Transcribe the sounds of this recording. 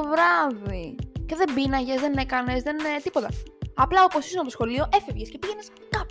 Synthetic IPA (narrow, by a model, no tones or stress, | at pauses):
ovɾɐvice̞ðe̞mbinɐʝe̞zðene̞kɐne̞zðe̞nt̪ipot̪ɐɐplɐopo̞sisnɐposxo̞lio̞ʔe̞fevʝescepiʝe̞nes | kɐp